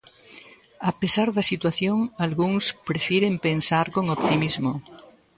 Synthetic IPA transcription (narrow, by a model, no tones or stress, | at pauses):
apesaɾðɐsit̪waθjoŋalɣuŋspɾefjeɾempensaɾkoŋop̚t̪imizmo